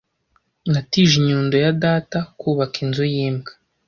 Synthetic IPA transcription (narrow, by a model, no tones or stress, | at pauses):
ŋɡatiːʒiɲuːndojadaːtakuːβakinzujiːmɡḁ